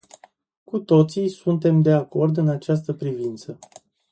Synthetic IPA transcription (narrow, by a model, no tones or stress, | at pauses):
kut̪o̞t̪sisunt̪̬e̞md̪e̞ako̞rd̪ɨnat͡ʃast̪əpɾivint̪sə